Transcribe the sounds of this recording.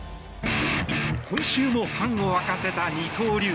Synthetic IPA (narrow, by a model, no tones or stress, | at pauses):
kʰõɕɨːmo̞ɸãɰ̃oβakase̞t̪aɲʲit̪ʰoːɾʲɨ